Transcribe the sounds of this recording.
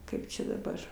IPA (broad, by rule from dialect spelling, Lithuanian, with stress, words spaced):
ˈkɐɪp t͡ʃʲɛ dɐˈbɐr